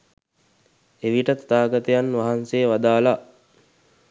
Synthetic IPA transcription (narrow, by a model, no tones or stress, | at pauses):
eʋiʈət̪at̪aːɡat̪əjanʋaɦansejːʋad̪aːla